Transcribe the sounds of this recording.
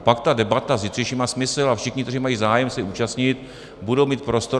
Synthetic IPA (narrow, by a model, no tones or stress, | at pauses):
pakt̪adɛbat̪azjɪt̪r̥iʃiːmaːsmɪslafʃɪxɲɪk̚t̪riːmajiːzaːjɛmsɛʔuːt͡ʃast̪ɲɪt̪ | budowmiːt̪̚pɾo̞st̪o